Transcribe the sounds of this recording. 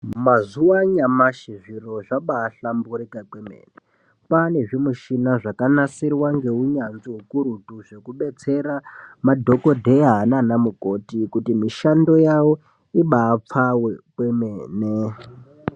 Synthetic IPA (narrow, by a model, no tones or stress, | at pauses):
mazuwaɲamaʃiʐiro̞ʐaɓaːɬambuɾikakwemḛːne | pane̞ʐimuʃinaʐakanasirwaŋɡe̞uɲanziɦukuɾutuʐe̞kuɓe̞t͡se̞ɾamadʱo̞ko̞dʱeaɦːnanamuko̞tikutimiʃando̞jawo̞ | iɓaːp͡fawekwemeːne